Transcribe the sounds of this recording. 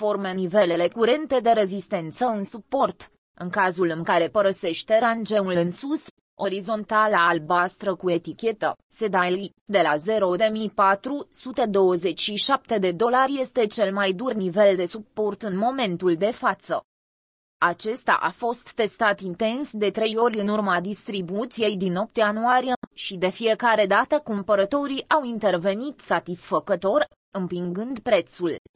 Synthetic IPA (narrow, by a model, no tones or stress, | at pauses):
fo̞rmenive̞le̞le̞kuɾe̞nt̪e̞d̪e̞ɾe̞zist̪e̞nt̪səɨnsupːo̞rt̪ | ɨŋkazulɨŋkaɾe̞pəɾəse̞ʃt̪e̞ɾand͡ʒe̞ulɨnsus | o̞ɾizo̞nt̪alaːlbast̪ɾəkue̞t̪ikʲe̞t̪ə̰ | se̞d̪ali | d̪e̞laze̞ɾo̞d̪e̞mipat̪ɾusut̪e̞d̪o̞wəze̞t͡ʃʃiʃap̚t̪e̞d̪e̞d̪o̞larʲje̞st̪e̞t͡ʃe̞lmajd̪urnive̞ld̪e̞supːo̞rt̪ɨnmo̞me̞nt̪uld̪e̞fat̪sə | at͡ʃe̞st̪a̰ʔa̰fo̞st̪ːe̞st̪at̪int̪e̞nsd̪e̞t̪ɾe̞jo̞rʲɨnurmad̪ist̪ɾibut̪sije̞jd̪ino̞p̚t̪anuaɾijeʃid̪e̞fije̞kaɾe̞d̪at̪əkumpəɾət̪o̞ɾiʔawint̪e̞rve̞nit̪sat̪isfəkət̪o̞r | ɨmpiŋɡɨnd̪pɾe̞t̪sul